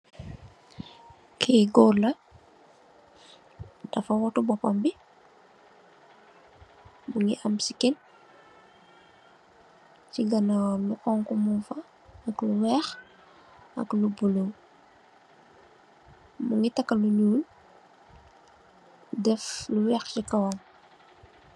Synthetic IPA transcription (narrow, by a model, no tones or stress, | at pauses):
kʰɛɡɔlɐ | d̥ɐfɐwɔtubɔpambi | muŋiʔɐmsikin | t͡ʃiɡɐnawluʔɔŋkumunfɐ | ɐkluwɛːx | ɐ̰klubulow | muŋitɐkːɐluɲuːl | dɛfluwɛːxt͡ʃikɐwan